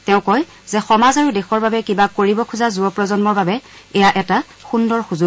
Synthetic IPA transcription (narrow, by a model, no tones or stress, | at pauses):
tɛʊ̃kɔj | zɛxɔmazaɹudexɔɹbabɛkibakoɹibɔkʰuzazuɔpɹɔzɔnmɔɹbabɛɛjaʔɛta | xundɔɹxuzʊ